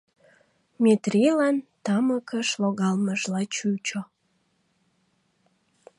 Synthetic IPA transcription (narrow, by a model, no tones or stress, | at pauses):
met̪rilɑnt̪ɑməkəʃloɣɑlməʒlɑt͡ɕut͡ɕo